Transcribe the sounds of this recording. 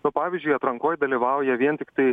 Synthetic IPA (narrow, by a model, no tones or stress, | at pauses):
nʊpɑːʋʲiːzʲd͡ʒʲʊɪɐt̪ɾɐŋkoːjd̪ɐlʲiːʋɐˑʊjɛʋʲiɛnt̪ʲɪkt̪ɐɪ